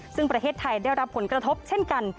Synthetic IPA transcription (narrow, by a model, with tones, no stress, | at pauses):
sɯ˥˩ŋpɾa˧t̪ʰeː˥˩t̪ʰːa˧jdaː˥˩jɾa˦˥pʰːo˩˦nkɾa˧t̪ʰo˦˥p̚t͡ɕʰe˥˩nka˧n